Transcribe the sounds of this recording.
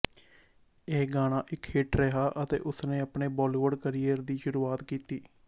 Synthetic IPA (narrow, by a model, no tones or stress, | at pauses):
eːɡaːɽ̃aːʔɪkhɪʈɾɛɦaːʔət̪ḛːʔʊsneːəpɳeːbɔːliːʋəɖkəɾijəɾd̪iːʃʊɾuːaːt̪kiːt̪iː